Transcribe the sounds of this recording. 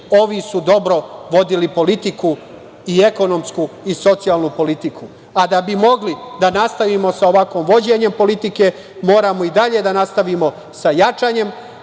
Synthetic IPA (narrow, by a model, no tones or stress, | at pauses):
o̞ʋisud̪o̞bɾo̞ʋo̞d̪ilipo̞lit̪iku | ie̞ko̞no̞mskuiso̞t̪sijalˠnupo̞lit̪iku | ad̪abimo̞ɡlid̪anast̪aʋimo̞sao̞ʋakʋoːmʋo̞d͡ʑe̞ɲe̞mpo̞lit̪ike̞ | mo̞ːɾamo̞id̪aʎe̞d̪anast̪aʋimo̞ | sajat͡ʃaːɲe̞m